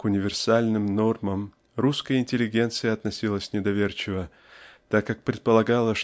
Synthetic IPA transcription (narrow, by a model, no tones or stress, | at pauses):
kʊnʲɪvʲɪrsalʲnɨmno̞rməm | ruskəjəɪnʲtʲɪlʲːɪɡʲe̞nt̪sɨjəɐt̪nɐsʲilˠəsʲnʲɪd̪ɐvʲert͡ɕɪvə | t̪akːak̚pɾʲɪt̪̚pəlˠɐɡalˠəʂ